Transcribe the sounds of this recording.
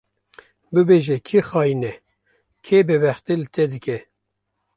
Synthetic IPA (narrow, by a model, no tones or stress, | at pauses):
bɨbeʒɛkʰixɑːjinɛ | kʰebɛbɛxt̪elɨt̪ʰɛd̪ɨkɛ